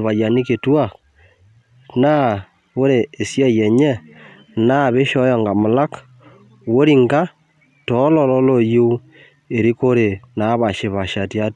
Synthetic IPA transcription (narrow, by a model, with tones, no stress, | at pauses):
βa˨ja˨ni˦ke˨twa˦˨ | na˦ | wo˦ɾeː˨sja˦je˨ɲe˦ | na˦˨βe˦ʃo˦jɔ˨ŋɡa˨mo˨la˦k | wo˦ɾi˦ŋɡa˦ | to˨˦lo˨lo˦lo˦ju˦u˦ | e˨ɾi˦ko˦ɾe˨na˦βa˨ʃe˨βa˨ʃa˨tja˦